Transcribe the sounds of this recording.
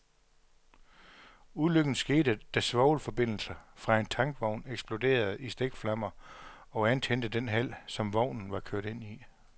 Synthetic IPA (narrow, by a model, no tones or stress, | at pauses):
uðˠløɡ̥n̩sɡ̥e̝ːɾ̥əd̥æsʋɒʊlfɒ̽b̥e̝n̰l̩sɐfʁɑ̈e̝nt͡sʰɑ̈ŋɡ̥ʋɒʊ̰neɡ̥sb̥lo̝de̝̰ːɐð̞̩ˠisd̥eɡ̥flɑ̈mɐ | ɒ̽ænt͡sʰen̰d̥əd̥enɦæl̰sɒ̽mʋɒʊ̰nn̩ʋɑ̈kʰøɐ̰ɾ̥e̝n̰i